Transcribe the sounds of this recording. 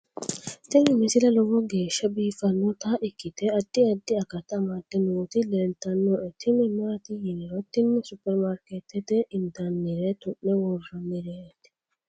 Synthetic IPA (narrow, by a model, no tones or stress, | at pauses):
t̪ɪmɪmɪsɪlɐlɔwɔɡeːʃːɐbiːfɐnːɔt̪aʔɪkːɪt̪ɛɐd̪̥ːɪɐd̪ːɪɐkɐt̪ɐmɐd̪ːɛnuːt̪ɪlɛnt̪ɐnːɔʔɛt̪ʰɪmɪmaɾɐt̪ɪjɪnɪɾɔt̪ɪnːʊsʊpːɛɾmaɾket̪ːɛt̪ɛʔɪnd̪ɐnːɪɾɛt̪ʊʔːɛwɔrɔnːɪɾet̪ɪ̥